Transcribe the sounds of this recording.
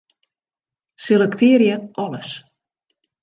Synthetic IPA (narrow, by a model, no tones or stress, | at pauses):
selɛktɪəɾjəʔɔləs